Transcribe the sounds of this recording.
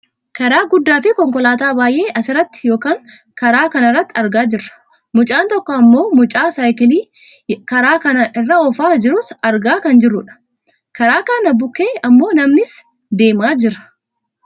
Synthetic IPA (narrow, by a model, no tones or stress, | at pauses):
kɐɾaːɡʊd̪ːaːfɪkɔŋkɔlaːt̪aːbaːjʔe̞ːʔɐsɪrɐt̪ːɪ̥jo̞ːkaːŋ | kɐɾaːkɐnɪrːɐt̪ːɪɐɾɡaːd͡ʒɪrːɐ̥ | mʊt͡ʃʼaːnt̪ɔkːɔɐmːo̞ːmʊt͡ʃʼaːsaːjkɪliː | kɐɾaːkɐnɐʔɪrːɐɔfaːd͡ʒɪɾʊsɐɾɡaːkɐnd͡ʒɪrːʊᶑɐ̥ | kɐɾaːkɐnɐbʊkːeːɐmːo̞ːnɐmnɪs | d̪e̞ːmaːd͡ʒɪɾɐ̥